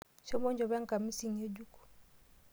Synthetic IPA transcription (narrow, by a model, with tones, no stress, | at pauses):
ʃɔ˦mɔ˦ɲd͡ʒɔ˨βa˦ŋka˨mi˦si˨ɲe˦d͡ʒu˦ku̥˨